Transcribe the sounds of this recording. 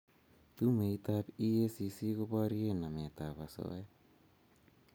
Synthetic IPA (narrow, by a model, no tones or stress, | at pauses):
t̪umejt̪apiesisikobaɾienamet̪apaso̰e